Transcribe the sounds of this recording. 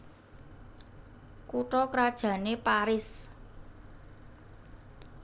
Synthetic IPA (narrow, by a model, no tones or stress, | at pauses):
kuʈɔkɾad̥ʒ̥ä̤nepaɾɪs